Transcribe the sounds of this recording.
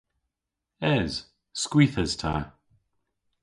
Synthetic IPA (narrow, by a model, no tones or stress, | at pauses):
ɛz̥ | skwiːθəz̥tʰa̰ː